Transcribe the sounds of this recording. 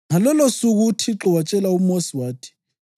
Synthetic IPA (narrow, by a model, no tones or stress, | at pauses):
ŋalɔlɔsuɣutʰiǁɔwat͡ʃʼɛlaumɔswaːtʰi̥